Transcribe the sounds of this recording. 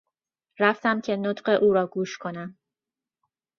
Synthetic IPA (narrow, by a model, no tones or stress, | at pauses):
ɾæft̪æmcʲʰe̞not̪ɢe̞ʔuːɾɒːɡuːʃkʰo̞næm